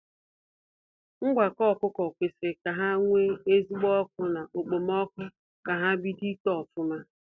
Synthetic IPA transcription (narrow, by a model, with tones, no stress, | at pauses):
ŋ̩˦ɡʷa˨kɔ˦˨kʊ˦kɔ˨kʷe˨se˨ka˨ɦa˦ŋʷe˦e˦zi˦ɡ͡bɔ˦k̚ʊ˦na˨ʔo˨k͡po˨m˦ɔ˦kʊ˦ | ka˨ɦa˦bi˦di˦tɔ˨fʊ˦ma˦